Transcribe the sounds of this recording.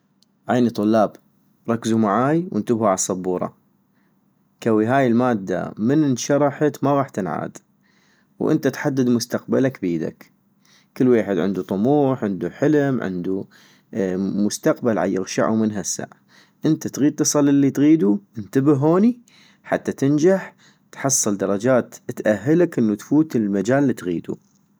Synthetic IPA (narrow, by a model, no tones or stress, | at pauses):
ʕaːnit̪ˤːʊlːɑːb | ɾˤɑkːzumaʕaːjwʔɪ̰nt̪ɪbhuʕaasˤːɑbːuːɾˤɑ̰ | kawiɦaːjɪlmaːd̪ːa̰mɪnʃɑɾˤɑħat̪maɣɑːħt̪ɪnʕa̰ːd̪ | wʔɪ̰nt̪at̪ħad̪ːad̪mʊst̪aqbalakbiːd̪a̰k | kɪlːweːħɪd̪ʕɪ̰nd̪ut̪ˤʊmuːħʕɪnd̪uħəlmʕɪ̰nd̪u | mʊst̪aqbalʕa̰jɪ̰ɣʃa̰ʕṵmɪnɦasːa̰ʕ | ʔɪnt̪at̪ɣiːd̪̚t̪ːɨsˤɑlɪlːit̪ɣiːd̪uʔɪnt̪abɪhːoːni | ħat̪ːat̪ɪnd͡ʒaħ | t̪ħɑsˤːɨld̪ɑɾˤɑd͡ʒaːt̪t̪ʔahɦːalakʔɪnːut̪fuːt̪ɪlmad͡ʒaːlːiːt̪ɣḭːd̪ṵ